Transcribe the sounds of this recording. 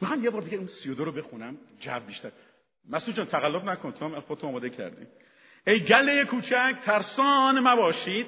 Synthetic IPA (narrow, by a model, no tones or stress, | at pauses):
mixɒːmjebɒːɾbe̞ɡʲæinsijod̪oɾobe̞xunæmd͡ʒæ̰vbiːʃt̪æɾ | mæsuːd͡ʒæːnt̪ʰæɣælːobnækʰonit̪ʰoæmælxod̪et̪ʰomːɒːmɒːd̪e̞cʰæ̰ɾd̪ḭ | ejɡælːejekʰuːt͡ʃʰækʰt̪ʰæɾsɒːnemæbɒːʃid̪̥